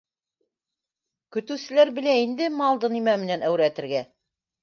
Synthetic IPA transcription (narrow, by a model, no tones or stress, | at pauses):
kɵ̆t̪ɘ̆wsɘ̆læɾbɘ̆læind̪ɘmɑlˠd̪ɤnimæmɘ̆nænæwɾæt̪ɘ̆ɾɡæ